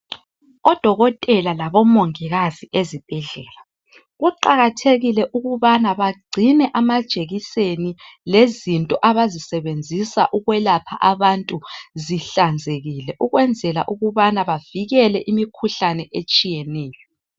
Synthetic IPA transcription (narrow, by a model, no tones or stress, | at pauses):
ɔd̥ʱɔɣɔtʼɛlalaβɔmoŋiɣaziʔezib̥ʱɛɮɛːla | ɣuǃaɣatʰeɣilɛʔuɣuβanaβaɡ͡ǀʱinɛʔamad̥ʒ̥ʱeɣisenilezintʼɔʔaβazisɛβend͡zʱisa̰ʔuɣwɛlapʰaʔaβantʼuziɬand͡zʱeɣilɛʔuɣwɛnd͡zʱɛlaʔuɣuβanaβaviɣɛlɛʔimikʰuɬanɛʔet͡ʃʼijɛnɛːjɔ